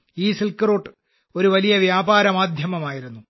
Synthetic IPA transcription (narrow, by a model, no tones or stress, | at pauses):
iːsilkɾoːʈː | o̞ɾuʋɐlijɐʋjaːbaːɾɐmaːd̪ʱjɐmɐmaːjiɾunːu